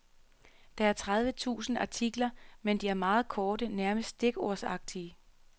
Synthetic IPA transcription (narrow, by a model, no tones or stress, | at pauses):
d̥ɑ̈æɐt͡sʰʁað̞ˠʋət͡sʰṵːsn̩ɑ̰̈t͡sʰiɡ̥lɐmend̥iæɐmɑ̈ːð̞̩ˠkʰɒːɾ̥ənæɐməsdd̥e̝ɡ̥o̝ɐ̰sɑ̈ɡ̥̚d̥iə